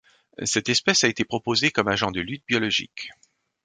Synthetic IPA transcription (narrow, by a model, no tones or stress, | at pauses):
sɛt̪ɛspɛsaet̪epχɔpozekɔmaʒɑ̃d̪əlyt̪̚bjɔlɔʒḭk